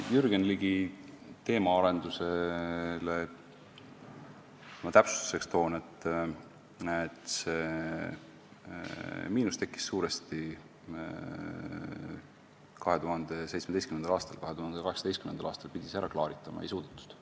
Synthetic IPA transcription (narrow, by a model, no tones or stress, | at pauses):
jyɾɡ̥enliɡ̥it̪e̞ːmɑɑɾe̞nd̪̥use̞le | mɑt̪æpsu̥st̪u̥se̞kst̪o̞ːnet̪ːˑ | t̪se | miːnust̪e̞kːˑi̥sːuːɾest̪i | kɑɦe̞t̪uɦɑnd̪̥e̞sejtsmed̪ejskymnend̪ɑlɑːst̪ɑ̰lkɑɦe̞t̪uhɑnd̪̥ekɑhe̞ksɑd̪est̪kymend̪ɑlɑ̰ːst̪ɑlpid̪̥ʲisæɾʔɑklɑːɾit̪ːˑɑmɑ̰ejsuːd̪̥et̪ːˑu̥st̪